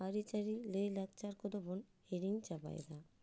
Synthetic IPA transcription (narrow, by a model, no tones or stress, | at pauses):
aɾit͡ɕaɾilelak̚t͡ɕaɾkod̪obon | eɾiŋt͡ʃaba̰jd̪a